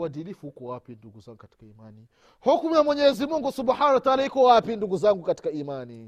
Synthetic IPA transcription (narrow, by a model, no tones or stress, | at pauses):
adilifuhukɔwapinduɡuzaŋɡukati̥kaimani | hɔkumiamwɛɲɛzimuŋɡusubħaːnawataalahikɔwapinduɡuzaŋɡukati̥kaimani